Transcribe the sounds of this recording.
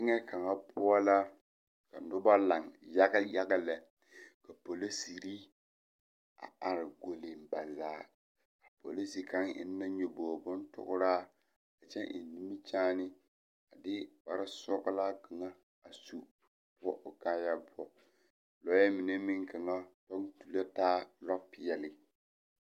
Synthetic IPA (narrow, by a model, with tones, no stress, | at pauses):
ɪ˦ŋɛ˦ka˨ŋa˦pʰʊ˦ɔ˦la˦ | ka˨nʊ˦ba˦la˨ŋja˦ɡa˦ja˦ɡa˦lɛ˨ | ka˨po˨lo˦si˨ɾi˦ | a̰˨a˨ɾɪ˨ɡo˨le˨m˨ba˨zaː˨˦˨ | a˨po̰˨li˦si˨ka˦ŋɪ̰˦nː˦a˦ɲo˨boː˨bʊ˦n˦tʊ̰˦˨ɣʊ˦ɾaː˦ | a˨t͡ʃɛ˦ʔḭ˨n˨ni˦mi˦t͡ʃaː˦nɪ˦ | a˨dɪ˦ba˨ɾɪ˦sʊ˦ɣʊ˦laː˦ka˨ŋa˦ | a˨su˦ | b̥ʊ˦ɔ˦ʔʊ˨kaː˦ja˦bʊ˦ɔ˦ | lɔ˨˦ɛ˦mɪ˨nɛ˦mɪ˦ŋka˨ŋa˦tɔ˦ŋtu˨la˦taː˦lɔ˦pɪ˨jɛ˨lɪ˨